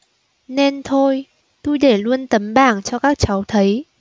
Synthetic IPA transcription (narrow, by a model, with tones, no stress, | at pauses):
ne˧nt̪ʰo˧j | t̪u˧jɗe˧˩lu˧ənt̪ə˨˦mɓaː˧˩ŋt͡ɕɔ˧kaː˦˥k̚t͡ɕa˨˦wt̪ʰə˨˦j